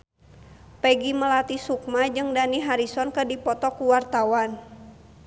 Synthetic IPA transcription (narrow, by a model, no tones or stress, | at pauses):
pɛɡiməlat̪isuk̚mad͡ʒɨŋdaniɦaɾisɔnkədipɔt̪ɔkuwart̪awan